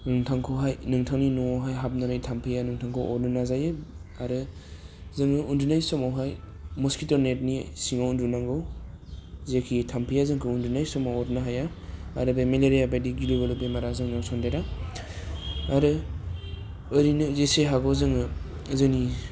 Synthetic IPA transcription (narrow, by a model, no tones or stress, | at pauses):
nɯŋtʰaŋkʰɔɦajnɯŋtʰaŋninɔɔɦajɦap̚naɾɯjtʰampʰɯjanɯŋtʰaŋkʰɔwʔɔɾnɯnazajɯaɾɯ | zɯŋɯundunajssɔmawɦaj | mɔskitɔɾnet̚nisiŋawundunaŋɡɯw | zekʰitʰampʰijazɯŋkʰɯundunajsɔmawɔtnaɦaja | aɾɯbemeleɾijabajdiɡilibelɔpemaɾazɯŋnawsʰɔndaɾa | aɾɯ | ɯɾinɯzeseɦaɡɔzɯŋɯ | zɯni